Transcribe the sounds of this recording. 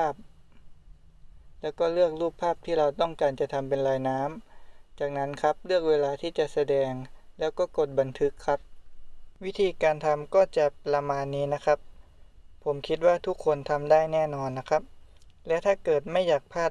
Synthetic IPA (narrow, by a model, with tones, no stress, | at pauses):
pʰaː˥˩p̚ | lɛː˦˥wkɔː˥˩lɯ˥˩ək̚luː˥˩pʰaː˥˩p̚t̪ʰiː˥˩ɾa˧wt̪ɔ˥˩ŋkaː˧nt͡ɕa˨˩t̪ʰa˧mpe˧nlaː˧jnaː˦˥mt͡ɕaː˨˩k̚na˦˥nkʰa˦˥p̚lɯ˥˩ək̚weː˧laː˧t̪ʰiː˥˩t͡ɕa˨˩sa˧dɛː˧ŋlɛː˦˥wkɔː˥˩ko˨˩t̪̚ba˧nt̪ʰɯ˦˥kʰːa˦˥p̚wi˦˥t̪ʰiː˧kaː˧nt̪ʰa˧mkɔː˥˩t͡ɕa˨˩ɾa˧maː˧nːiː˦˥na˦˥kʰa˦˥p̚ | pʰo˩˦mkʰi˦˥t̪̚waː˥˩t̪ʰu˦˥kʰːo˧nt̪ʰa˧mdaː˥˩jnɛː˥˩nɔː˧nːa˦˥kʰa˦˥p̚lɛː˦˥wt̪ʰaː˥˩kɤː˨˩t̪̚ma˥˩jaː˨˩k̚pʰaː˥˩